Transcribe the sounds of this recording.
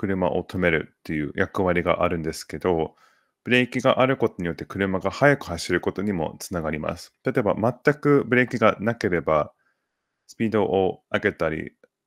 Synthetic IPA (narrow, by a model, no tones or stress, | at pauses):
kɯ̟ɾɯ̟ma̰ʔo̞̰t̪ʰo̞me̞ɾɯ̟t̪ːe̞jɯ̟̰ːjʔakɯ̟βaɾʲiɡa̰ʔaɾɯ̟̃nd̪e̞sɨ̥ke̞d̪o̞ | b̥ɯ̟ɾe̞ikʲiɡaʔaɾɯ̟ko̞t̪o̞ɲ̟ijo̞t̪ːe̞kɯ̟ɾɯ̟maɡahajakɯ̟̥haɕiɾɯ̟ko̞t̪o̞ɲ̟imo̞̰t͡sɨnaɡaɾʲima̰sɨ̥t̪at̪o̞eba̰mat̪ːakɯ̟bɯ̟ɾe̞ːkʲiɡanake̞ɾe̞ba | sɨ̥pʲiːd̪o̞ʔoaɡe̞t̪aɾʲḭ